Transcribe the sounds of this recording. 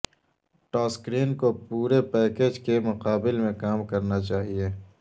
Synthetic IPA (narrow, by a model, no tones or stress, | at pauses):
ʈɔːskɾiːnkopuːɾepɛːkeːd͡ʒkemʊqaːbɪlmẽkaːmkɐɾnat͡ʃaːɦie